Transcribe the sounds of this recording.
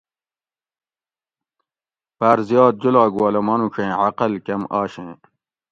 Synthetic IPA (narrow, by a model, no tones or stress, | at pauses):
paɾzjɑːt̪̚d͡ʑulaːɡuaːlɐmɐnũɕʰẽːʕaqɐlkemaːɕẽː